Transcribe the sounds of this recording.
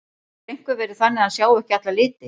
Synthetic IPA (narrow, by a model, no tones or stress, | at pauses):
ejŋ̥kvʏvɛːɾɪθanːɪaðsjaːwɛhcɪat̪lalɪːt̪ɪ